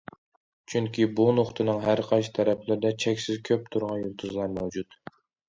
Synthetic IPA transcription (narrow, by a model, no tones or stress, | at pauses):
t͡ʃʰyŋkʲibunoχt̪ʰɨnɨŋɦæɾqʰɑʃt̪ʰɛɾɛplɪɾɪd̪ɛt͡ʃʰɛkʲsɪzkʲʰøp̚t̪ʰuɾʁɑnjulˠt̪ʰuzlˠɑɾmɛwd͡ʒut̪